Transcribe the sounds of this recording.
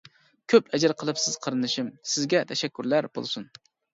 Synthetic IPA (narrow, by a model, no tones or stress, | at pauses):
kʲʰøpʰɛd͡ʒɛɾqʰəlˠɨpsɪz̥qʰəɾɨnɨʃimsɪzɡʲɛt̪ʰɛʃɛkʲːyɾlæɾbo̰lˠsun